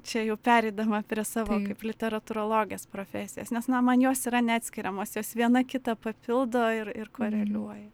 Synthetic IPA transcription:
t͡ʃʲɛjɛʊpʲæːɾʲɛɪd̪ɐmɐpʲɾʲiɛsɑːʋoːkɐɪplʲɪt̪ʲɛɾɐt̪ʊɾoːlˠoːɡʲjespɾoːfʲæːsʲɪjɛːsnʲɛsnɐmɐnjoːsiɾɐnʲɛɑːt̪ʲsʲkʲɪɾʲɛmoːsjoːsʋʲiɛnɐkʲɪt̪ɐpɐpʲɪlˠd̪oːɪrɪrkoːɾʲɛlʲuɔjɛ

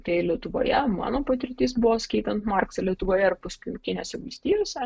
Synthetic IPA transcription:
t̪ɐɪlʲiɛt̪ʊʋo̰ːjɛmɑ̰ːnoːpɐt̪ʲɪɾʲɪt̪ʲiːs̬bʊʋoːsʲkɐɪt̪ʲɛnt̪mɑrksɐlʲiɛt̪ʊʋoːjɛɪrpʊsʲkʲʊkʲɪnʲoːsʲɛʋɐlʲsʲt̪ʲiːjoːsʲɛ

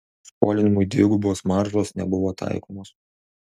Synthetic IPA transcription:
spo̰ːlʲɪnʲɪmʊjd̪ʲʋʲɪɡubʊʋoːsmɑɾʒoːsnʲɛ̰bʊʋoːt̪ʰɑ̰ˑɪkoːmoːs

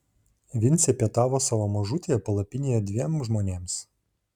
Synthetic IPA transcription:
ʋʲɪnʲt̪sʲɛpʲiɛt̪ɑːʋoːsɑʋomɐʒʊt̪ʲejɛpɐlˠɐpʲɪnʲejɛd̪ʲʋʲiɛmʒmoːnʲeːms

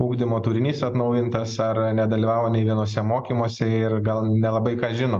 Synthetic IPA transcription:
uːɡd̪ʲɪmoːt̪ʊːɾʲɪnʲiːsɐt̪nɐʊjɪnt̪ɐsɐɾnʲɛd̪ɐlʲiʋɑːʋoːnʲɛɪʋʲiɛnoːs̬ʲɛmoːkʲiːmoɔsʲɛɪɾɡɐlˠnʲɛlˠɐbɐɪkɑːʒʲɪnoː

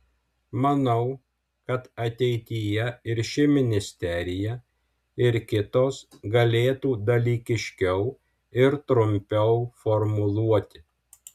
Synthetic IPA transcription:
mɐnɐʊ | kɐt̪ɐt̪ʲɛɪt̪ʲijɛɪɾʃʲɪmʲɪnʲɪsʲt̪ʲɛɾʲɪjɛ | ɪɾkʲɪt̪oːs | ɡɐlʲeːt̪uːd̪ɐlʲiːkʲɪʃʲkʲɛʊ | ɪɾt̪ɾʊmʲpʲɛʊfɔɾmʊlˠuɔt̪ʲɪ̥

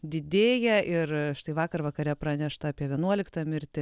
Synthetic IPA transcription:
d̪ʲɪd̪ʲeːjɛʔɪrʃt̪ɐɪʋɑːkɐrʋɐkɐɾʲɛpɾɑːnʲɛʃt̪ɐɑːpʲiɛʋʲiɛnuɔlʲɪkt̪ɑmʲɪɾʲt̪ʲɪ

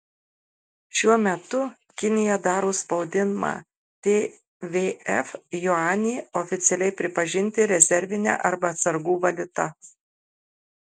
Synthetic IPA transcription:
ʃʲuɔmʲɛt̪ʊ | kʲɪnʲɪjɛd̪ɑːɾoːspɒʊd̪ʲɪnmɑ̰ː | t̪ʲe | ʋʲeːɛfjɔɑːnʲiːɔfʲɪt̪sʲɛlʲɛɪpʲɾʲɪpɐʒʲɪnʲˑt̪ʲɪɾʲɛzʲɛɾʲʋʲɪnʲæ̰ːʔɐɾbɐːt̪sɐɾɡuːʋɐlʲʊt̪ɐ

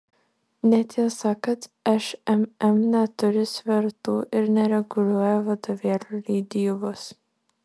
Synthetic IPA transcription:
nʲɛt̪ʲisɑːkɐt̪ɛʃɛmɛmnʲɛt̪ʊɾʲɪsʲʋʲɛɾt̪uːʔɪɾnʲɛɾʲɛɡʊlʲuɔjɛʋɐd̪oʋʲiɛɾʲulʲiːd̪ʲɪjʊʋʊs

